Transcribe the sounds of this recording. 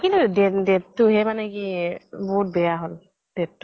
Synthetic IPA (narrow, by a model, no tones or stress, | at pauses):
kĩludedetːuɦɛmanɛkibɔɦut̚bɛjaɦol | d̥etːu̥